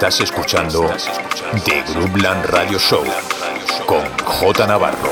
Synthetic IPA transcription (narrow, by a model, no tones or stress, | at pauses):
t̪ase̞skut͡ʃand̪o | d̪eɣɾublanraðjoʃow | koŋxot̪anaβa̰ro̰